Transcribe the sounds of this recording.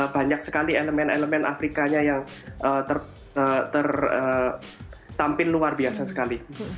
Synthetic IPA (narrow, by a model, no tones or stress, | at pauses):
b̥aɲaksəkalieləmɛneləmɛna̰fɾikaɲajaŋ | ʔət̪ər | ət̪ərə | t̪ampɪnluarbiasasə̥kali